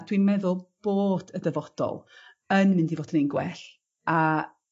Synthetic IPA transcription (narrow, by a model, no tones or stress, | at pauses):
d̥wimɛðʊlˠb̥oːd̥ədɛvɔd̥ɔ̰lˠ | ənmɨ̃ndivoːd̥ənenɡwɛ̰ɬ | a